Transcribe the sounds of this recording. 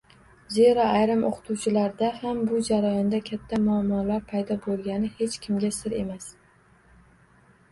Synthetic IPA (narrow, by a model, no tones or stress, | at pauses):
ze̞ɾaajɾɪmʔo̰qʰɨ̥t̪ʰuwt͡ʃʰɪlaɾd̪ahambʊd͡ʒaɾajɒnd̪akʲʰat̪ʰːamʊamːɒlaɾpʰajd̪ɒbolˠɡʲanɪhe̞t͡ʃkʲʰɪmɡʲasɪɾe̞̰mas